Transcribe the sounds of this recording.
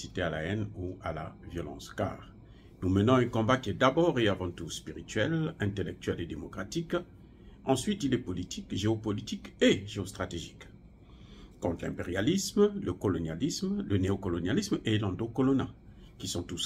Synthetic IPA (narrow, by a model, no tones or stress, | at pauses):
sit̪eala̰ɛnua̰la̰vjɔlɑ̰̃ska̰ːʁ | numənɔ̃ɛ̃kɔ̃bakʲiɛd̪abɔʁeavɑ̃t̪uspiʁit̪ɥɛlɛ̃t̪elɛk̚t̪ɥɛled̪emɔkʁat̪ik | ɑ̃sɥit̪ilɛpɔlit̪ikʒeopɔlit̪ikeʒeost̪χat̪eʒik | ɔ̃t̪lɛ̰̃mpeʁjalismləkɔlɔnjalismləneɔkɔlɔnjalismelɑ̃d̪okɔlɔnakʲisɔ̃t̪us